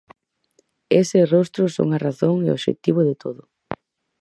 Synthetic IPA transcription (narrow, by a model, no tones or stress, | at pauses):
esɪrost̪ɾʊso̰ŋɐraθoŋeo̰βʃḛt̪iβʊðɪt̪oðʊ